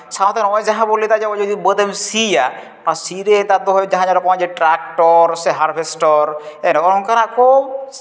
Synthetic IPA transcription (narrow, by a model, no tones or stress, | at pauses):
sʰat̪ʰanɔjd͡ʒaɦãbolːit̪ad͡ʒaɔd͡ʒod̪ibəd̪emsija | pasiɾet̪ad̪oɦɔjd͡ʒaɦãd͡ʒaɾɔkɔad͡ʒeʈɾak̚ʈɔɾseɦaɾbʰʱesʈɔɾɛnɔɾɔŋkaɾakʰo